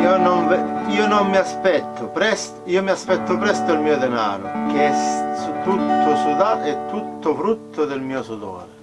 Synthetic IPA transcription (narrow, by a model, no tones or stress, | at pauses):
ionoɱviːonomːiaspɛt̪ʰːʊpɾɛst̪iːomiaspɛt̪ːʊpɾɛst̪ʊilmiːod̪ɛna̰ːɾʊ̰k̟eɛsut̪ut̪ːʊsud̪aɛt̪ːut̪ːʊfɾut̪ʰːʊd̪ɪlmiːosud̪ɔ̰ːɾe